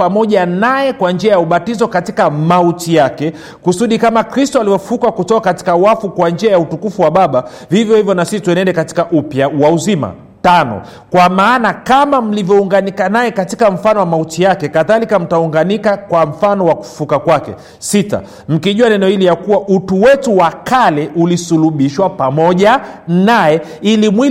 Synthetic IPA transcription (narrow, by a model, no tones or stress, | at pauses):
pamɔʄanajɛkwand͡ʒiajauɓatizɔkatikamautijakɛ | kusuɗikamakɾistɔalivɔffukakutɔkakati̥kawafukwand͡ʒiajautukufuwaɓaɓa | vivjɔhivjɔnasisituɛnɛndɛkati̥kaʔupjawauzima̰ | tanɔ̰ | kwamaːnakamam̩livjɔuŋɡanikanajɛkatikam̩fanɔwamautijakɛkaðalikam̩tauŋɡanikakwam̩fanɔwaku̥fu̥fukakwakɛ̰ | sita̰ | m̩kiʄuanɛnɔhilijakuwaʔutuwɛtuwakalɛʔulisuluɓiʃwapamɔʄanaɛ | ilimwi